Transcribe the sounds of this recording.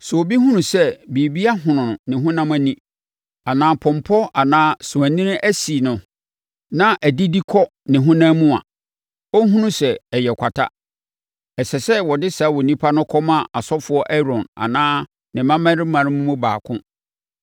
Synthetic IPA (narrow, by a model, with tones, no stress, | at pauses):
sʊ˨o˨bi˦ɦũ˦nũ˨sɛ˦bi˨bi˦a˦ɦʊ̃˨nʊ̃˨nʊ̃˨nɪ̃˨ɦʊ̃˦nã˦mæ˨nĩ˦ | a˨nãː˨pʰɔ̃˨mpʰɔ˦a˨nãː˦sʊ̃˨æ̃˨nĩ˦n˦ʔæ˦si˨nʊ̃˨ | nã˦ʔæ˨di˦di˦kʰɔ˦ | nɪ̃˨ɦʊ̃˦nã˦mũ˦a̰˨ | o˦ɦũ˦nũ˦sɛ˨ɛ˨jɛ˨kʷʰa˨tʰa̰˦ | ɛ˨sɛ˨sɛ˦wɔ˨dɪ˦sa˨˦wɔ˨nĩ˦pʰa˦nʊ̃˦kʰɔ˦mã˦ʔa˨sɔ˦fʊ˦ɔ˦ʔɛ˦ɾɔ̃˨na̰˨nãː˦ | nɪ̃˨mã˦mã˦ɾɪ˦mã˨ɾɪ̃˦mũ˦mũ˦ba̰ː˨kʰʊ̰̃˦